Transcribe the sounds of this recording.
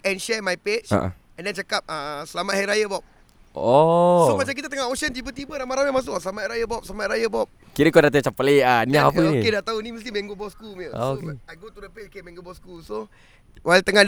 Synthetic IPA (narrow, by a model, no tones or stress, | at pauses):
ɛ̃nʃɛmajpet͡ʃa̰ʔ | ɛ̃ndɛnt͡ʃakap̚əsəlamat̪̚hajɾajəbɔp̚ | osomat͡ʃamkit̪at̪əŋahoʃənt͡ʃipət̪ibəɾamaɾamjamãsʊkɔsəlamat̪ɾajəbɔp̚səlamat̪̚ɾajəbɔp̚ | kiɾəkodaʔt̪̬at͡ʃapəleʔaniaapəokedaʔt̪auniməst̪imɛ̃ŋɡobɔskuməokajɡot̪udəpet͡ʃokemɛ̃ŋɡobɔskuso | walt̪əŋad